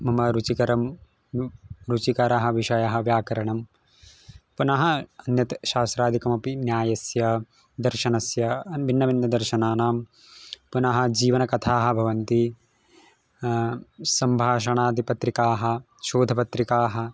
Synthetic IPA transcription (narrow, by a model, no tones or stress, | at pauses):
mɐmɐɾut͡ʃikɐɾɐm | ɾut͡ʃikɐɾɐɦɐ̆ʋiʃɐjɐɦɐ̆ʋjaːkɐɾɐɳɐm | punɐɦɐ̆ɐnjɐt̪ɐʃaːsɾaːd̪ʱikɐmɐpinjaːjɐsjɐ | d̪ɐɾʃɐnɐsjɐʋinːɐʋind̪ɐd̪ɐɾʃɐnaːnaːm | punɐɦɐ̆d͡ʒiːʋɐnɐkɐt̪ʰaːɦɐ̆bʱɐʋɐnt̪i | sɐmbʱaːʃɐɳaːd̪ʱipɐt̪ɾikaːɦɐ̆ | ʃoːd̪ʱɐpɐt̪ɾikaːɦɐ̆